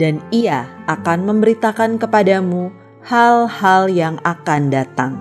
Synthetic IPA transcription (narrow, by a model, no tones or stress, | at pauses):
daniaʔakanməmbəɾit̪akankəpadamu | halhaljaŋakandat̪aŋ